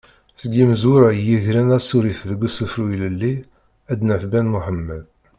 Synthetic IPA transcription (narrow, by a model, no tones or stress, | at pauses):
θəɡːiməzuɾæjiʝɾænæsuɾiθðəɡːusəfɾuiləlːi | æd̪nəfbænmuħəmːəð